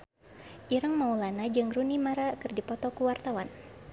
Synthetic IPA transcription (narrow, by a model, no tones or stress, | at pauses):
ʔiɾəŋmaulanad͡ʒɨŋɾunimaɾakɨrdipɔtp̪ɔkuwart̪awan